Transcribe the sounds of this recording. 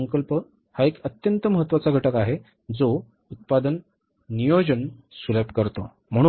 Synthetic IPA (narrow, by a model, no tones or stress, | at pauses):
əŋkəlpə | haekət̪jənt̪əməɦət̪ːʋat͡saɡʱəʈəkaɦe | d͡zo | ut̪̚pad̪ənː | ijod͡ʑənsulepkəɾt̪o̰ | m̤əɽ̃u